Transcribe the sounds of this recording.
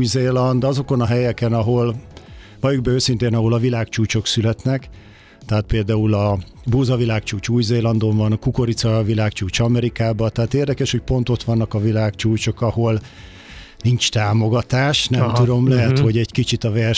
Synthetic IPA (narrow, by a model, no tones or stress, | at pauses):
jzeːlɒnd̪ɒzo̞ko̞nɒɦɛjɛkɛnɒɦo̞lvɒjoɡ̚bɛøːsint̪eːnɒɦo̞lɒvilaːkt͡ʃuːt͡ʃo̞ksylɛt̪nɛk | t̪ɛɦaːt̪̚peːld̪aːulɒ | buːzɒvilaːkt͡ʃuːt͡ʃuːjzeːlɒnd̪o̞nvɒnkuko̞ɾit̪sɒvilaːkt͡ʃuːt͡ʃɒmɛɾikaːbɒt̪ɛɦaːt̪eːrd̪ɛkɛʃho̞c̚po̞nt̪o̞t̪ʋɒnːɒkɒvilaːkt͡ʃuːt͡ʃo̞kɒho̞l | nint͡ʃt̪aːmo̞ɡɒt̪aːʃnɛmt̪ud̪o̞mlɛɦɛt̪ho̞ɟɛɟkit͡ʃit̪ɒvɛr